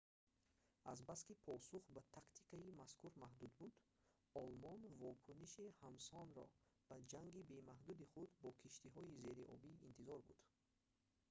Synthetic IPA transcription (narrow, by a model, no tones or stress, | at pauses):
azbaskipʰɔsuχbat̪ʰakt̪ʰi̥kaimaskʰuɾmahd̪ud̪bud̪̥ | ɔlmɔnvɔkʰuniʃihamsɔnɾɔ̰ | b̥ad͡ʒaŋɡibe̞maɦd̪ud̪iχud̪bɔkʰiʃt̪iɦɔize̞ɾiʔɔ̰biḭnt̪ʰizɔɾbṵd̪̥